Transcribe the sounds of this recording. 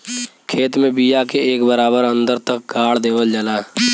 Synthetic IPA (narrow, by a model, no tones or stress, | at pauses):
kʰeːt̪mẽbijakeeːkbəɾaːbəɾə̃nd̪əɾt̪ək̚ɡaːɽd̪eːwəld͡ʒəlaː